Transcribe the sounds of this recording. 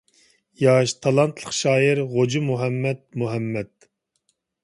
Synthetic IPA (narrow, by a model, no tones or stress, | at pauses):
jɑʃt̪ʰɑlˠɑnt̪ʰlˠəχʃɑːjiɾʁod͡ʒimuɦɛmːɛt̪̚muɦɛmːɛt̪̚